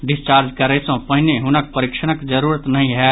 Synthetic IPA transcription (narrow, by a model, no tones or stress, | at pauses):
ɖɪst͡ʃaːɾd͡ʒkəɾəsə̃pəɦineɦʊnək̚pəɾikʃəñəkd͡ʒəɾuːɾət̪nɐɦĩɦɛ